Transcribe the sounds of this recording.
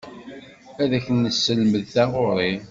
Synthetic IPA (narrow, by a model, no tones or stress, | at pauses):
æðæçənːəsːəlməðθæʁʊɾˤi